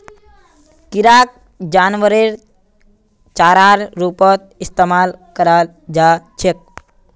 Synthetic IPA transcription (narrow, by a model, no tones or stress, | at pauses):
kiɾak̚ | d͡ʒaːnʋəɾeɾ | t͡ʃaːɾaɾɾuːpɔt̪̚ist̪emaːlkəɾal | d͡ʒat͡ʃʰek̚